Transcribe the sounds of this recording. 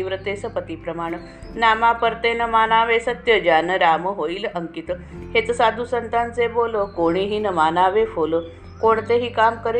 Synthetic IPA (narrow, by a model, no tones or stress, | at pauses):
iʋɾət̪esəpət̪ipɾəmaːɽ̃ə | namapəɾt̪enəmanaʋesət̪jəd͡ʑanəɾaməɦoiləŋkit̪ə | het͡səsad̪ʱusənt̪ant͡seboləkoɽ̃iɦiːnəmanaʋefolə | koɳ̃t̪eɦiːkamkəɾ